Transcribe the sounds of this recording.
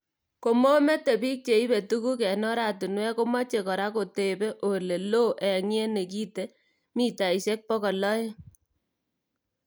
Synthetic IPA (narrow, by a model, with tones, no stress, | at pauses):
ko˨mo˦me˦te˨pi˦k̚t͡ʃe˨i˦be˨tu˦ku˦k̬ɛ˨nɔ˦ɾa˨tu˨nwɛ˦ko˦ma˦t͡ʃe˨kɔ˨ɾa˦ko˨te˨be˦ʔo˨le˨lo˦ʔɛ˨ŋ˦e˦ne˨k̬i˦te˦ | mi˦ta˨i˨se˦k̚pɔ˦kɔ˨lɔ˦je˦